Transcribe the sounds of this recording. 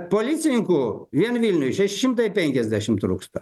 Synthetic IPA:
polʲit̪sʲɪnʲɪŋkuʋʲiɛnʋʲilʲnʲʊjʃʲæʃʲɪʃʲɪmt̪ɐɪpʲɛŋʲkʲɛzʲd̪ʲæʃʲɪmt̪ɾṵːkst̪ɐ

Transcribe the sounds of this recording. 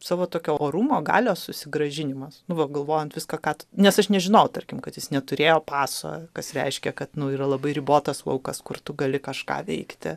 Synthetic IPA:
sɑːʋoːt̪oːkʲoːoːɾuːmoːɡɑ̰ːlʲoːsʊsʲɪɡɾɐʒʲɪnʲɪmɐsnʊʋɐɡɐlˠʋoːjɛnt̪ʋʲɪskɐkɑːt̪ʊnʲɛsɐʃnʲɛʒʲɪnɐʊt̪ɐrʲkʲɪmkɐt̪jɪsnʲɛt̪ʊɾʲeːjoːpɑːso̰ːkɐsɾʲɛɪʃʲkʲɛkɐt̪nʊiːɾɐlˠɐbɐɪɾʲɪboːt̪ɐsʋɐ̰ʊkɐskʊrt̪ʊɡɐlʲɪkɐʃkɑ̰ːʋʲɛ̰ɪkt̪ʲɪ̰

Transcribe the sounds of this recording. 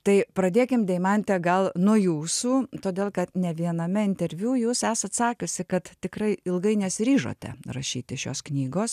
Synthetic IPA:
t̪ɐɪpɾɐd̪ʲeːkʲɪmd̪ʲɛɪmɐnʲt̪ʲɛɡɐlˠnʊjuːsuːt̪oːd̪ʲeːlˠkɐt̪nʲɛʋʲiɛnɐmʲɛɪnʲt̪ʲɛɾʲʋʲjuːjuːsæːsɐt̪sɑːkʲʊsʲɪkɐt̪t̪ʲɪkɾɐɪɪlˠɡɐɪnʲɛsʲɪɾʲiːʒo̰ːt̪ʲɛ̰rɐʃʲiːt̪ʲɪʃʲo̰ːsknʲiːɡoːs

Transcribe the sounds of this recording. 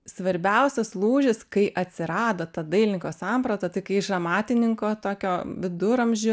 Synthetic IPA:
sʋɐɾʲbʲɛʊsʲɛslˠuːʒʲɪskɐɪʔɐt̪ʲsʲɪɾɑːd̪oːt̪ɐd̪ɐɪlʲɪŋkoːsɑːmpɾot̪ɐt̪ɐɪkɐɪɪʃɐmɑːt̪ʲɪnʲɪŋkoːt̪oːkʲoːʋʲɪd̪ʊɾɐmʲʒʲʊ

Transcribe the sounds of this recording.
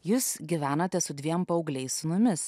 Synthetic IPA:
juːsɡʲɪʋʲæːnɐt̪ʲɛsʊd̪ʲʋʲiɛmpɐʊɡlʲɛɪssʊmʊmʲɪs

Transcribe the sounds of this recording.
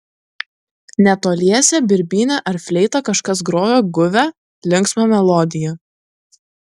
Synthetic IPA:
nʲɛt̪oːlʲiɛsʲɛbʲɪɾʲbʲiːnʲɛʔɐɾfʲlʲɛɪt̪ɐkɐʃkɐs̬ɡɾoːjoːɡʊʋʲɛ | lʲɪŋksmɐmʲɛlˠɔːd̪ʲɪjɛ

